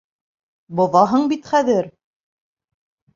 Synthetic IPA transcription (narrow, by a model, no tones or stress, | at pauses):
bŏðɑɦɤɴbit̪χæðɘɾ